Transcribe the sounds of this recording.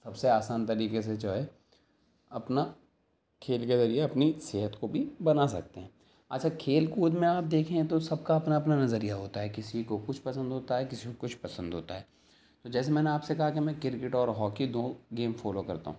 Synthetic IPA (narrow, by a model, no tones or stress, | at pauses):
sɐbseaːsaːnt̪ɐɾiːkes̬ed͡ʒaːɦe | ɐpna | kʰeːlkezɐɾieɐpnisɪɦət̪kobʱibɐnasɐ̰k̚t̪eɦɛ̃ː | ɐ̰tːʃʰakʰeːlkuːd̪mẽaːp̚d̪eːkʰẽt̪osɐb̚kaɐpnaɐpnanɐzəɾijaɦoːt̪aɦɛkɪsikokʊt͡ʃʰpɐsə̃nd̪ʱɦoːt̪aɦɛkɪsikokʊt͡ʃʰpɐsə̃nd̪ʱɦoːt̪aɦɛː | t̪od͡ʒɛːs̬emɛ̃ːneaːpsekɐɦakemɛ̃kɪɾkɪʈɔːɾɦɔːkid̪oːɡeːmfɔːlokɐɾt̪a̰ɦũː